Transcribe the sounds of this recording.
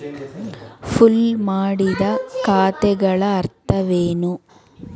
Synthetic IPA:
pʰulmaːɽid̪ɐkaːt̪ɛɡɐɭɐːɾt̪ɐʋeːnu

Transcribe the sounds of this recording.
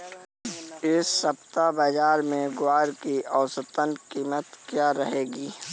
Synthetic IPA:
ɪsːəpt̪abəd͡ʒaːɾmẽɡwaːɾkiɔːʊsət̪ənkiːmət̪kjaːɾəɦeːɡiː

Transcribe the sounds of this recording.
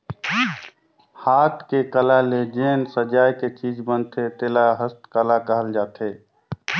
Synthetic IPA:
haːt̪ʰkekəlaled͡ʒeːnsəd͡ʒaːjket͡ʃiːd͡ʒbənt̪ʰet̪eːlaɦəst̪kəlakəɦəld͡ʒaːt̪e

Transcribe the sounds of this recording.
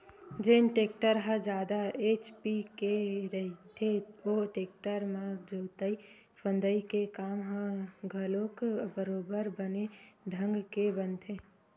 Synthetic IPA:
d͡ʒeːnʈeːkʈəɾɦə̃d͡ʒaːd̪aeːt͡ʃpikeɾəɦit̪ʰeoʈeːk̚ʈəɾmãd͡ʒəːt̪əi | pʰə̃nd̪əikekaːmɦə̃ɡʱəlokbəɾoːbəɾbəneɖʱə̃ŋɡkebənt̪ʰe

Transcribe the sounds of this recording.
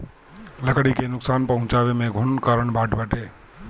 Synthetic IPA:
ləkɽikenʊksaːnpəɦʊ̃t͡ʃaːʋemẽɡʱʊɳkaːɾəɳbʱaːʈbəːʈeː

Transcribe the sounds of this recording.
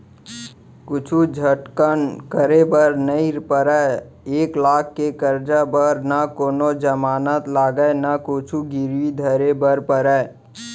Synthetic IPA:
kʊt͡ʃʰud͡ʒʱəʈkənkəɾebəɾnəiɾpəɾəe | eːklaːkʰːekəɾd͡ʒabəɾnakoːnod͡ʒəmaːnət̪laːɡəenakot͡ʃʰuɡɪɾwid̪ʱəɾebəɾpəɾə

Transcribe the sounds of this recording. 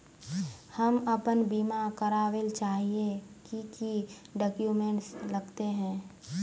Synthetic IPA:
hɐmɐpənbiːmakɐɾaːʋelt͡ʃaːɦiekiki | ɖɔːkjumẽɳʈslɐɡt̪eɦɛ̃ː

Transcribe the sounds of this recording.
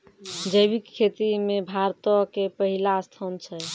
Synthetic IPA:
d͡ʒəjbikʰːet̪imebʱaɾt̪ɔkepəɦilast̪ʰɔnt͡ʃʰɛ

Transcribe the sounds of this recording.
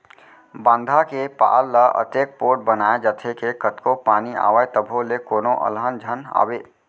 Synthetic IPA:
bə̃nd̪ʱakepa̰ːlːəʔə̰t̪eːk̚poːʈ̚bənaːed͡ʒət̪ʰekekət̪kopaːnia̰ːʋəet̪əbʱolekoːnõʔə̰lɦənd͡ʒʱəna̰ːweː

